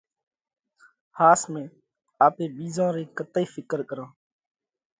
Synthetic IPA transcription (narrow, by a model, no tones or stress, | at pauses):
haːsmẽː | aːpeːɓiːzãːɾeːkət̪iːfɪkəɾkəɾãː